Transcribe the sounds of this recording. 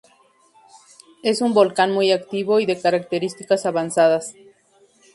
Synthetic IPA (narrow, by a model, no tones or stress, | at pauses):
e̞sumbo̞lkanmujakt̪iβo̞iðe̞kaɾak̚t̪e̞ɾist̪ikasaβansaðas